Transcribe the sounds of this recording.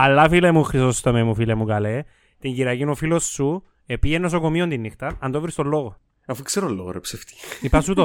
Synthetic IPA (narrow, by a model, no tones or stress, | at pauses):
ɐlːɐfilemuxɾisost̪omemufilemukɐle | t̪iɲɟiɾɐcinofilo̞sːu | epijenːos̬okomiond̪inːixt̪ɐɐnd̪ovɾist̪olːoɣo | ɐfukseɾolːoɣoɾepseft̪i̥ipɐsut̪o